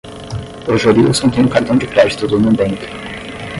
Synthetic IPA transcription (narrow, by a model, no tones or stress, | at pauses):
oʒoliṵsõt̪ẽj̃ũkaɾt̪ɐ̃w̃d͡ʒɪkɾɛd͡ʒit̪ʊd̪ʊnũbẽŋk